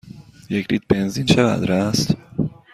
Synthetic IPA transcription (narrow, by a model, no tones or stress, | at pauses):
jecʰɾit̪̚be̞nzint͡ʃʰeɣæ̰d̪ɾæst̪